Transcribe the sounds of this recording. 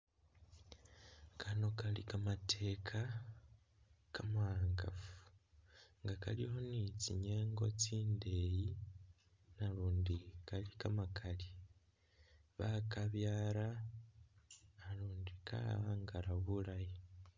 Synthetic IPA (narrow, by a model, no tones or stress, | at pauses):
kʰano̞kalḭkamatʰe̞kʰa | kamuaːŋɡa̰fu̥ | ŋɡaka̰liho̞nit͡siɲeːŋɡo̞̰t͡siːnde̞ːji | naɾuːndikalikamakʰali | βakaβjaːɾa | luːndikʰa̰a̰ːŋɡaɾaβulaji